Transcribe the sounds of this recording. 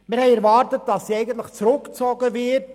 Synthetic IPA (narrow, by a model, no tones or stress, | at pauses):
mɪɾhɛɪɛɾvɑːɾtətd̥ɑsːiɛɪɡən̩t̪̬ləχt͡sɾɵkt͡sɔːɡəvɪt